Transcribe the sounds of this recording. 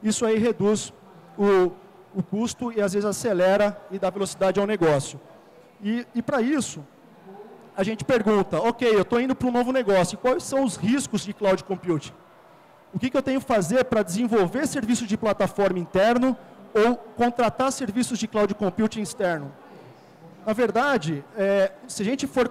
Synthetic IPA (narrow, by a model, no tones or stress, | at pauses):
isʊaiɦed̪us | ʊ | ʊkust̪ʊɪazvezɪzaselɛɾɐɪd̪avelosid̪ad͡ʒɪawneɡɔsjʊ | ɪːpɾɐisʊ | aʒẽnt͡ʃɪ̥peɾɡũnt̪ɐokejewt̪oĩnd̪ʊpɾũnovʊneɡɔsjʊɪkwajsːɐ̃w̃ʊzhiskʊzd͡ʒɪklawd͡ʒɪkõmput͡ʃɪ̥ | ʊkɪkɪewt̪ẽɲʊkɪ̥fazeɾpɾɐd͡ʒɪzẽvowveɾseɾvisʊzd͡ʒɪplat̪afɔɾmɐĩnt̪ɛɾnɐowkõnt̪ɾat̪aɾseɾvisʊzd͡ʒɪklawd͡ʒɪkõmpuwt͡ʃɪĩst̪ɛɾnʊ | nɐveɾd̪ad͡ʒɪɛsɪaʒẽnt͡ʃɪfoɾ